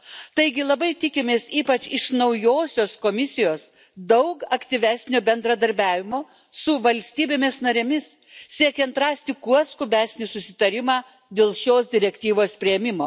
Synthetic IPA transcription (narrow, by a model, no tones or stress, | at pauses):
t̪ɐɪɡʲɪlˠɐbɐɪt̪ʲɪkʲɪmʲeːsiːpɐt͡ʃɪʃnɐʊjoːsʲoːskoːmʲɪsʲɪjoːs | d̪ɐʊkɐkt̪ʲiʋʲæːsʲnʲoːbʲɛnd̪ɾɐd̪ɐɾʲbʲæːʋʲɪmoː | sʊʋɐlʲsʲt̪ʲiːbʲeːmʲɪsnɐɾʲeːmʲɪs | sʲiɛkʲɛnt̪ɾɑːsʲt̪ʲɪkuɔskʊbʲæːsʲnʲɪsʊsʲɪt̪ɐɾʲɪmɑː | d̪ʲeːlˠʃʲoːsd̪ʲɪɾʲɛkʲt̪ʲiːʋoːspʲɾʲɪɛmʲɪmoː